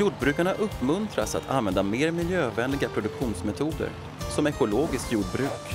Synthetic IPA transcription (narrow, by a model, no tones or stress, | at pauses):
juːɖbɾʉ̟ːkaɳaʔɵpːmɵnt̪ɾasa̰t̪ʰa̰nvɛnd̪ameːɾmɪljøːvɛːnlɪɡapʰɾʊd̪ɵkɧuːnsmɛt̪ʰuːd̪ə̰ɾ | sɔmɛkʊloːɡɪsk̪juːɖ̚bɾʉ̟ːk